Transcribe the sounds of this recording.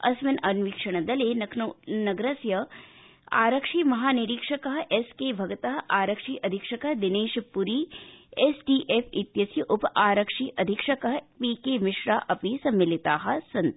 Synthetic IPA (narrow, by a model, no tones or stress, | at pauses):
ɐ̰smɐnɐnʋikʂɐɽ̃ɐd̪ɐleːnɐkʰːnɐɡɾɐsjɐ | a̰ːɾɐkʂiːmɐɦaːniɾikʂɐkɐɦʔeskeːbʱɐɡt̪ɐɦʔaːɾɐkʂiːʔɐd̪ʱɪkʂɐkɐɦd̪ɪneːʃpuɾiːesʈiːʔepʰit̪jɐsjɐʔʊpʔaːɾɐkʂiːʔɐd̪ʱikʂɐkɐɦpiːkeːmɪʃɾaːʔɐpisɐmːɪlɪt̪aːɦɐ̆sɐnt̪